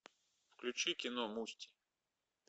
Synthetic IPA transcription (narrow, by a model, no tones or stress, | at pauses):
fklʲʊt͡ʃikʲɪnɔmusʲtʲi̥